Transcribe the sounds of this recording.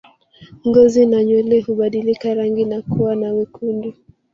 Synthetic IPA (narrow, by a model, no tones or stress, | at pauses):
ŋɡɔzinaɲwɛlɛhuɓaɗilikaɾaŋɡinakuwanawikʰundi